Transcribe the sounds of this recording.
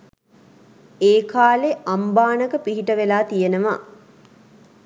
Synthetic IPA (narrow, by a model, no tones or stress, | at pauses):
eːkaːleʔambaːnəkəpiɦiʈəʋelaːt̪ijenəʋa